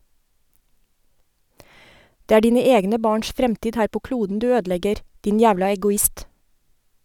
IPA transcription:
ˈdeː ˈæː ˈɖiːnə ˈeːɡnə ˈbɑːɳʃ ˈfɾɛmtiːd ˈhæːɾ ˈpoː ˈkluːdn̩ ˈdʉː ˈøːdˌlɛɡəɾ ˈdɪn ˈjæːʋlɑ ɛɡʊˈɪst

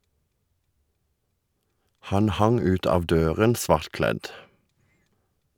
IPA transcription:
ˈhɑn ˈhɑŋ ˈʉːt ˈɑːʋ ˈdøːʁən ˈsʋɑʁtˌklɛd

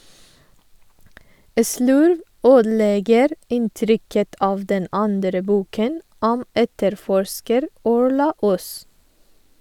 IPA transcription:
ə ˈslʉɾʋ ˈøːdl̩ˌeːɡəɾ ˈɪnˌtɾʏkət ˈɑːʋ ˈdɛn ˈɑndɾə ˈbuːkən ˈɔm ˈɛtəɾˌfɔɹʃkəɾ ˈɔɹɭɑ ˈʊs

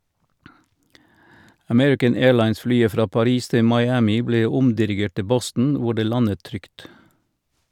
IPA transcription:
əˈmɛɹɪkən ˈeːlɑɪnsˌflyːə ˈfɾɑː pɑˈɾiːs ˈtɪ mɑɪˈæːmɪ ˈbleː ˈʊmdɪɾɪˌɡeːʈ ˈtɪ ˈbɔstn̩ ˈʋʊ ˈɖeː ˈlɑnət ˈtɾʏkt

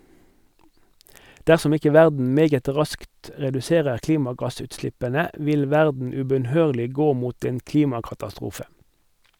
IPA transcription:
ˈdæʁsɔm ˈɪkə ˈʋæʁdn̩ ˈmeːɡət ˈʁɑskt ə ʁɛdʉˈseːʁəʁ ˈkliːmɑˌɡɑsʉːtˌslɪpənə ˈʋɪl ˈʋæʁdn̩ ʉbœnˈhøːʁlɪ ˈɡoː ˈmuːt ˈeːn ˈkliːmɑkɑtɑˌstʁuːfə

